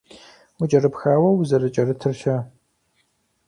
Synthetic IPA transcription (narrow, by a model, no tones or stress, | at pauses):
ʊt͡ʃʼɐɾɨpxaːwɐwzɐrɨt͡ʃʼɐrɨtʰɨrʃɐ